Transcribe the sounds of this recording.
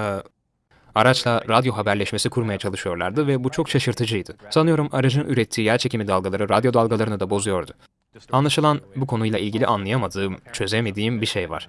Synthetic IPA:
aɾat͡ʃlˠaɾad̪jo̞ɦabæɾlʲɛʃmesikʰuɾmajat͡ʃʰalˠɯʃɯjo̞ɾlˠa̰ɾd̪ɯvɛbut͡ʃʰo̞kt͡ʃʰaʃɯɾt̪ʰɯd͡ʒɯjd̪ɯsanɯjo̞ɾumaɾad͡ʒɯnyɾɛt̪ʰːiːjæɾt͡ʃʰecʰimid̪alˠɡalˠaɾɯɾad̪jo̞d̪alˠɡalˠaɾɯnɯd̪abo̞zujo̞ɾd̪ʊ | anlˠaʃɯlˠanbukʰo̞nujlˠaʔilʲɟilʲḭʔanlˠajamad̪ɯːmt͡ʃʰø̞zeme̞d̪iːimbiʃe̞jva̰ɾ̥

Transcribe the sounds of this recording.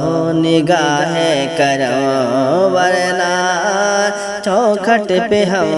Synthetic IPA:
nɪɡaːɦekɐɾɐ | ʋɐɾɛnaː | t͡ʃɔ̃kʰɐʈepeɦɐ

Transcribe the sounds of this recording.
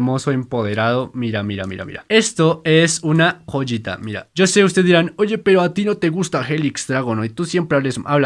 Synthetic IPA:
mo̞soempo̞ðe̞ɾað̞o̞miɾamiɾa̰mḭɾa̰mḭɾa̰e̞st̪o̞esunakoʝit̪a̰miɾa̰ʝo̞se̞ust̪e̞iɾano̞ʝe̞peɾoat̪ino̞t̪e̞ɣust̪axe̞liksd̪ɾaɣonoit̪usje̞mpɾeaβlesʔaβla

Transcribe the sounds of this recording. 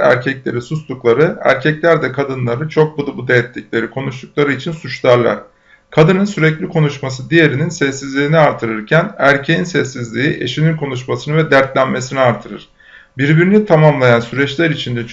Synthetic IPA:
æ̰ɾcʰɛclʲe̞ɾisust̪ˠuklˠaɾɯæ̰ɾcʰɛclʲæɾd̪ɛkʰad̪ɯnlˠaɾɯt͡ʃʰo̞k̚bud̪ubud̪ejɛt̪lʲiclʲe̞ɾikʰo̞nuʃt̪uk̚lˠaɾɯit͡ʃʰinsut͡ʃlˠaɾlˠa̰ɾ̥ | kʰad̪ɯnɯnsyɾɛclʲikʰo̞nuʃmas̬ɯd̪ije̞ɾininsɛsːizlʲiːniaɾt̪ʰɯɾɯɾcʰænæɾcʰejinsɛsːizlʲiiʔe̞̰ʃininkʰo̞nuʃmasɯnɯvɛd̪æɾt̪lʲænme̞siniaɾt̪ʰɯɾɯ̰ɾ̥ | biɾbiɾinit̪ʰamamlˠajansyɾɛt͡ʃlʲæɾit͡ʃʰind̪ɛ

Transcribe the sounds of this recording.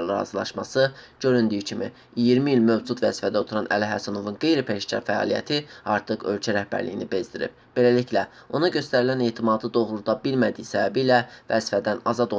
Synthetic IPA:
lɾɑ̰zɯlˠɑ̰ʃmɑsɯɟ̥ø̞ɾynd̪yjycʰimḭ | jiɾmiilmø̞vd͡ʒut̪væzi̥fæd̪æo̞t̪ʰuɾɑnʔæ̰læɦæsæno̞vunɡe̞jɾipʰeʃcʰɑ̰ɾfæɑ̰ːlˠijæ̰t̪ʰiɑɾt̪ʰɯχø̞lcʰæɾæhbæ̰ɾlḭjinibe̞zd̪iɾḭb̥ | b̥e̞læliclæ | o̞nɑɟø̞st̪æɾilæne̞ːt̪ʰimɑd̪ɯd̪o̞ɣɾud̪ɑbilmæd̪ijsæbæbiːlævæ̰zifæd̪ænɑzɑd̪o

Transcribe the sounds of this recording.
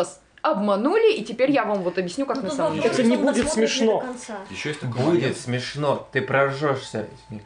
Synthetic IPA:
s | ɐbmɐnulʲɪitʲɪpʲeɾʲjavamvot̪ɐbʲjɪsʲnʲukaknɐsammʲɛt̪ənʲɪbudʲɪt̪smʲɪʂno | budʲɪt̪smʲɪʂnot̪ɨpɾɐʐoʂsʲə̰ | nʲɪ

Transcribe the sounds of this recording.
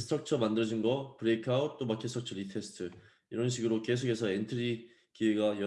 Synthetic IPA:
sʰɯ̥tʰʌk̚t͡ɕʰʌmandɯɾʌd͡ʑinɡʌpɯɾekʰaut̚t͈omakʰestʰʌk̚t͡ɕʰʌɾitʰe̞sʰɯ̥tʰɯ | iɾʌnɕʰiɡɯɾok͈e̞s̬ʰoɡe̞sʰʌentʰɯɾi | kieɡajʌ

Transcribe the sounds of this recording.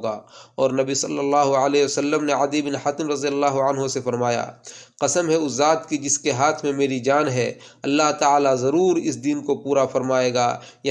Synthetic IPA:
ɡaːɔːɾnɐbisɐlːəlːaːɦʊəlɛːosəlːəmneəd̪ibɪnhat̪ɪmɾɐzijəlːaːɦoənɦosefɐɾmaːja̰ːqɐsəmɦɛʊsːaːt̪kid͡ʒɪskeɦaːt̪ʰmẽmeːɾid͡ʒaːnɦɛɐlːaɦt̪aːlazɐɾuːɾɪsd̪iːnkopuːɾafɐɾmaːeːɡa̰ː | jɐ

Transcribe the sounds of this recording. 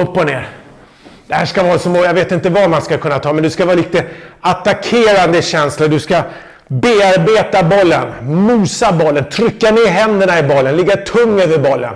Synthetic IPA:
ɵpːɔneːɾ | d̪̥ɛhæːʂkavɑːsɔmɔjaveːt̪ɪnt̪əvamanskakʰɵnːat̪ʰɑːmɛnd̪ɵskavɑːlɪk̚t̪əat̪akʰeːɾand̪əɕɛnslaɖ̪ɵska | beːaɾbeːt̪abɔlːə̰nmuːsabɔlːənt̪ʰɾʏkːaneːɾɦɛnd̪əɳaɪbɔlːənlɪɡːat̪ʰɵŋːœvəɾbɔlːə̰n

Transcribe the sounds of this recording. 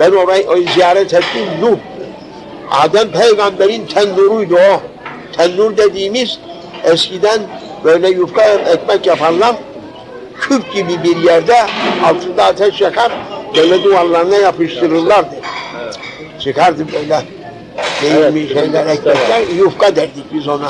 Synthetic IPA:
b̥ɛnɔɾaʔɔjiziaɾɛt̪ʰɛt̪ʼinnu | a̰d̪ɛmpʰɛjɡambɛɾint̪ʰɛnːuɾujd̪ɔː | t̪ʰɛnːuɾd̪ɛd̪imis | ɛskid̪ɛn | vɛjlɛjufkʼaɛk̚ʼmɛkʼːɛpʰalːam | kʰyp̚kʼibibiɾjɛɾd̪ɛːlt̪ʰɨnd̪aːt̪ʰɛsʃɛkʰaɾd̪ɛlɛd̪ualːaɾnajapʰiʃt̪iɾɨlːaɾd̪ɛ | ʃikʰaɾd̪ɨbɛlɛ | d̪ɛjimiʃɛjlɛɾɛk̚mɛkajufkʼad̪ɛɾd̪ikbizɔna

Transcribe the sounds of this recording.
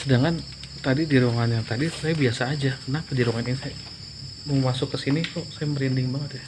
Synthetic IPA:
sədaŋan | t̪adidiɾoŋanjaŋt̪adisajabiasaːd͡ʒakənaŋkədiɾɔŋaninisaja | mɔŋmasʊkːəsinit̪ʊsajaməɾindɪŋbaŋət̪̚ja

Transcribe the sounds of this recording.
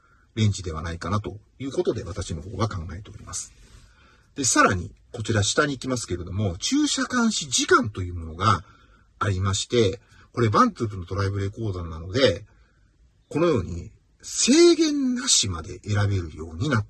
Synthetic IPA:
ɾẽ̞ɲ̟d͡ʑid̪e̞βanaikanat̪o̞̰jɯ̟ːko̞t̪o̞d̪e̞βat̪aɕino̞ɦo̞̰ːɡakãŋɡae̞t̪e̞o̞ɾʲimasɨ̥ | d̪̥e̞saɾaɲ̟ḭko̞t͡ɕiɾaɕi̥t̪aɲ̟iːkʲimasɨ̥ke̞ɾe̞d̪o̞mo̞t͡ɕɨːɕakãɰ̃ɕid͡ʑikãnt̪o̞jɯ̟ːmo̞no̞ɡaː | ɾʲimaɕi̥t̪e̞ | ko̞ɾe̞bãnt͡sɨːpɯno̞t̪o̞ɾaibɯ̟ɾe̞ko̞ːd̪anːano̞d̪e̞ | ko̞no̞jo̞ːɲ̟ḭ | se̞ːɡẽ̞nːaɕimad̪e̞̰ʔeɾabe̞ɾɯ̟jo̞ːɲ̟ina

